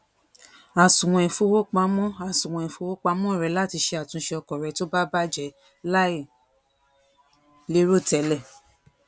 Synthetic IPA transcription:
a˨sũ˨w̃ɔ̃˨ĩ˨fo˧wo˦k͡pa˧mɔ̃˦a˨sũ˨wɔ̃˨ĩ˨fo˧wo˦k͡pa˧mɔ̃˦˨ɾɛ˧˦la˦ti˧ʃe˧a˨tũ˧˦ʃe˧ɔ˧kɔ˨ɾɛ˧to˦ba˦ba˦d͡ʒɛ˨˦ | la˦i˦˨ | le˦ɾo˦˨tɛ˨˦lɛ˦˨

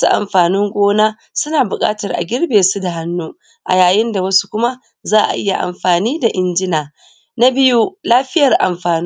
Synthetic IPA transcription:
su˦ʔa̰˨mɸaː˨nɪ˦ŋɡʷoː˦naː˦ | sʊ˦naː˨bʊ˨kʼa̰ː˦tɐ˨rʔa̰˨ɡʲɪ˦rbeː˨su˦da˨ɦa˦nːuː˦ | ʔa̰˨jaː˨jɪ˦nda˨wɐ˦su̥˦kʷʊ˦ma˦ | zaː˦ʔa̰˨ʔɪ˦ja̰˨ʔa̰˨mɸaː˨niː˦da˨ʔɪ˦nd͡ʒɪ˦naː˨ | na˦bɪ˦ju˦laː˦ɸɪ˦jɐ˨rʔa˨mɸaː˨n˦

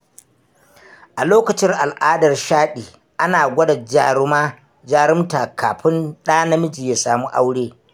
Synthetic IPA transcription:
ʔa˨loː˦kɐ˨t͡ʃɪ˦ŋʔa˨lʔaː˦dɐ˨rʃaː˦ɗiː˨ | ʔa˦naː˨ɡʷɐ˦da˨d͡ʒɾmaː˦ | d͡ʒaː˦ɽɪ˦mta˨kʰaː˨ɸɪ˦nɗaː˦nɐ˦mɪ˦d͡ʒi˨ja˦saː˨mu˦ʔa̰˦wɽeː˦

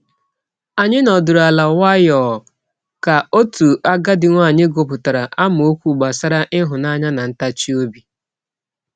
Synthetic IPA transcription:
a˨ɲɪ˦nɔ˨dʊ˨ɾa˨la˨wa˦jɔː˨ | ka˨o˦tu˨a˦ɡa˦dɪ˨ŋʷa˦˨ɲɪ˦ɡo˨pʊ˨ta˨ɾa˨ʔa˦m˨o˦kʷu˦˨ɡ͡ba˨sa˦ɾa˦ʔɪ˦ɦʊ˨na˦ɲa˦na˨n̩˦ta˦t͡ʃi˦o˦bi˦

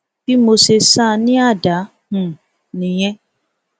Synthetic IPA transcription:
fi˦mo˧se˧sa˦˨˧nĩ˦a˦˨da˨˦ | hũ˨ | nĩ˨j̃ɛ̃˦

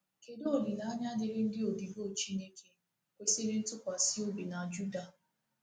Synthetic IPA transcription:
ke˨do˦o˨bi˨na˨˦ɲa˦dɪ˦ɾɪ˦n̩˦dɪ˦o˨di˨ɦo˦˨t͡ʃi˦ne˦kʰe˦ | kʷe˦se˦ɾi˦n̩˦tʊ˦kʷa˨sɪ˦o˦bi˨na˨d͡ʒu˦da˨

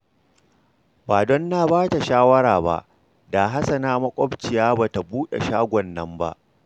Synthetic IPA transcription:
baː˨dɔ˦nːaː˦baː˦ta˨ʃaː˦wɐ˦ɾaː˨ba̰˦ʔ | daː˨ɦa˦sɐ˨naː˦mɐ˦kʷʼɔ˦bt͡ʃɪ˨jaː˦baː˨ta˨buː˦ɗḛ˨ʃaː˦ɡʷɔ˨nːɐ˦mba̰˦ʔ

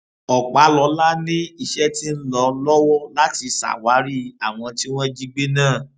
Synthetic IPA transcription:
ɔ˨k͡pa˨˦lɔ˧˦la˦nĩ˦i˧ʃɛ˦ti˦n̩˦lɔ˨˧lɔ˦wɔ˦la˦ti˨˧sa̰˨wa˨˦ɾi˦a˨w̃ɔ̃˧ti˦w̃ɔ̃˦d͡ʒi˦˧ɡ͡be˦nãː˦˨

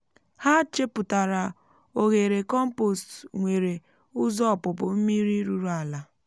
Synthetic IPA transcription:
ha˦t͡ʃe˦pʊ˨ta˨ɾa˨ | o˨ɣe˨ɾe˨kɔ˦m̩˦po˨stŋʷe˨ɾe˨ | ʊ˦zɔ˦˨pʊ˨p̬ʊ˨m̩˦mi˦ɾi˦ɾu˦ɾu˦a˨la˨

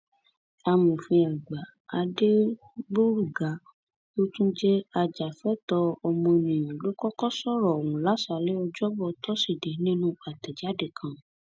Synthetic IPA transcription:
a˧mũ˨fĩ˧a˨ɡ͡ba˨ | a˧de˦ | ɡ͡bo˦ɾu˦˨ɡa˨˦ | o˦tũ˦d͡ʒɛ˦a˧d͡ʒa˨fɛ˨˦tɔ˧ɔ˧mɔ̃˧e˧nĩ˨j̃ã˨lo˦kɔ˦kɔ˦sɔ˦˨ɾɔ˨o˨wũ˨˦la˨˦sa˧˦lɛ˦ɔ˧d͡ʒɔ˦bɔ˧tʰɔ˦si˦˨de˨nĩ˦nũ˦a˨tɛ˨d͡ʒa˨˦de˦˨kʰã˧

